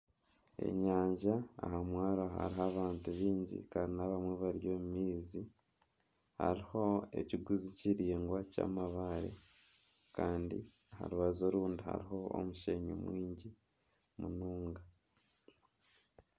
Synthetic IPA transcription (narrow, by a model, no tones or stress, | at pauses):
e̞̰ɲaːɲʒaa̰hamwaːɾoɦa̰ɾiɦaβaːntuβiːɲɟḭkaninaβamwe̞βaɾjo̞mumiːzi | ha̰ɾiho̞e̞̰ciɡuziciɾiːŋɡwaca̰ːmaβaɾḛ | kaːndḭ | aha̰ɾuβazo̞ɾuːndiha̰ɾiɦo̞o̰muʃeɲṵmwiːɲɟi | munuːŋɡa